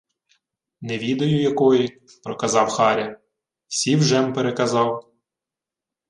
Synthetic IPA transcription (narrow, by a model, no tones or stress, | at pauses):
neʋʲid̪ɔjʊjɐkɔji | pɾɔkɐzɑwxɑɾʲɐ | sʲiwʒɛmpeɾekɐzɑw